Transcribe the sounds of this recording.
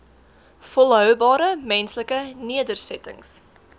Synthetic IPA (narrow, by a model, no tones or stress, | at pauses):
fɔlˠɦœwbɑːɾəmɛnsləkəniədərsɛtə̰ŋs